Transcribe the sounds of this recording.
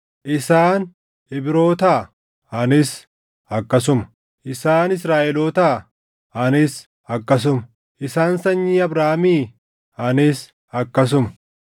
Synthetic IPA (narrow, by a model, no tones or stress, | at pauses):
ʔɪsaːn | ɪbɪɾoːt̪aː | ɐnɪs | ɐkːɐs̬ʊmɐ̥ | ʔɪsaːnɪs̬ɾaːʔɛloːt̪aː | ɐnɪs | ɐkːɐs̬ʊmɐ̥ | ʔɪsaːnsɐɲːiːɐbɾaːmiː | ɐnɪs | ɐkːɐs̬ʊmɐ̥